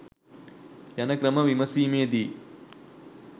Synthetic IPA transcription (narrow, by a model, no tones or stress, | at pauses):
jɐnɐkɾɐmɐʋimɐsiːmeːd̪i